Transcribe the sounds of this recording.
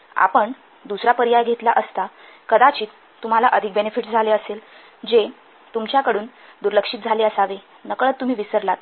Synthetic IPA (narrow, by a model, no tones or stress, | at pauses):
a̰pəɳ | d̪usɾapəɾijajɡʱet̪laʔəst̪a | kəd̪at͡ɕiːt̪ːum̤alaʔəd̪ʱik̚benefiʈd͡zʱaleəsel | d͡ʑe | t̪umt͡ɕjakəɽuːn | d̪uɾləkʂiːt̪d͡zʱaleəsaʋe | nəkɭət̪ːum̤iːʋisəɾlat̪̚